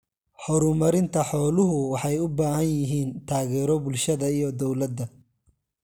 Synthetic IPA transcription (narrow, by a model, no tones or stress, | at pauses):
ħɔɾʊmɐɾɪnt̪ʰɐħɔːlʊɦʊwɑħɑjʊbaːhɐnjɪɦiːnt̪ʰaːɣɛːɾɔbʊlʃɐðɐijɔd̪ɔwlɐd̪ːɐ